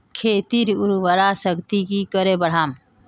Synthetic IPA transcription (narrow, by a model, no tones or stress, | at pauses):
kʰeːt̪iɾʊɾʋəɾasəkt̪ikikəɾebəɽ̤aːm